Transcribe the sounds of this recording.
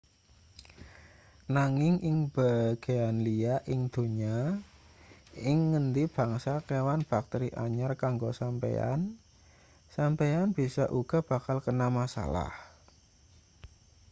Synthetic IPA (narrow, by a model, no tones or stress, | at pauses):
naŋɪŋʔɪŋb̥aɡ̥e̤anliaʔɪŋd̪̥o̤ɲa | ɪŋːənd̪ib̥a̤ŋsakewanb̥a̤k̚t̪eɾiʔaɲarkaŋɡosampḛa̰n | sampeanb̥isaʔuɡ̥a̤b̥a̤kalkənamasa̰la̰h